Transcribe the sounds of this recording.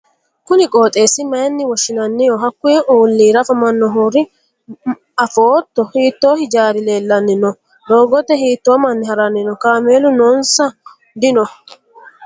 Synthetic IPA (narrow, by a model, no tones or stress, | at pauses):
kʊnɪkʼo̞ːt̪ʼe̞ːsɪmɐjnːɪwɔʃɪnɐnːɪjɔɦɐkːʊeuːlːiːɾɐfɐmɐnːɔɦuːɾɪ | ɐfoːt̪ːɔhiːt̪ːoːhɪd͡ʒaːɾɪle̞ːlːɐnːɪnɔ | d̪oːɡɔt̪ːɛɦiːt̪ːoːmɐnːɪhɐɾɐnːɪnɔkaːmeːlʊnɔnsɐ | d̪ɪnɔ